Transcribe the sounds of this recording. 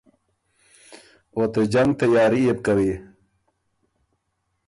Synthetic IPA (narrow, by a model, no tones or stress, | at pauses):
ot̪ed͡ʒaŋɡ̚t̪ajɑːɾieb̚kawi